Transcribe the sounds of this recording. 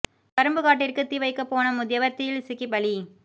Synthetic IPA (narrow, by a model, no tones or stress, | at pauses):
pɐɾɐmbɯɣaːʈ̬ːɪrkɯt̪ːiʋɐɪkːɐpːoːnɐmʊðɪjɐʋɐɾt̪ɪjɪlsɪkːipɐɭi